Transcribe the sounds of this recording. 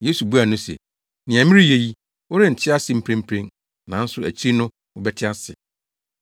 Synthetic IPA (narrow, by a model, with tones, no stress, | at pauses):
je˦su˨bu˦a˨nʊ̃˦sɛ̰˨ | nɪ̃˨æ̃˨mɪ̃˦ɾi˦je˦ji˦ | wɔ˦ɾɪ˦n̩˨tʰɪ˦a˦sɪ̃˨m̩˦pʰɾẽ˦m̩˦pʰɾẽ˦n | nã˨˦n̩˦sʊ˨æ˨t͡ɕʰi˦i˦nʊ̃˦ | ʊ˦bɛ˦tʰɪ˦a˦sɪ˨